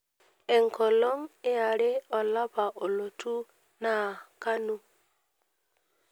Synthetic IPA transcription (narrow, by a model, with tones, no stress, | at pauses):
ɛ˨ŋ˨kɔ˨lɔ˦ŋɪ˦a˨ɾɪ˦ɔ˨la˦pa˨ʔo˨lo˨tu˦ | na˨ka˦nu˦